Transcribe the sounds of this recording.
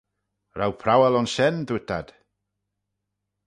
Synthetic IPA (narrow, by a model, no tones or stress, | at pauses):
rawpʰrawɛlˠɔnʃɛndutʰad̥